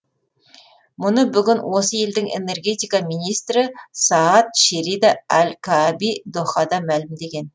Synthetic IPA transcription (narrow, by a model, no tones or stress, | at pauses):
mʊnəbʏɡʲɪnwʔo̞səje̞ld̪ɪŋḛne̞rɡʲe̞t̪ijkɑminijst̪rɪsɑːt̪̚ʃeɾid̪ɑælkʰɑbid̪oχɑd̪ɑmælɪmd̪e̞ɡʲe̞n